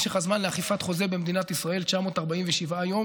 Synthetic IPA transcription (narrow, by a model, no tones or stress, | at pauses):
ʃeχazmanleaχifat̪χo̞ze̞bemd̪inat̪isʁae̞lt͡ʃamo̞ːt̪aʁbaimveʃivajo̞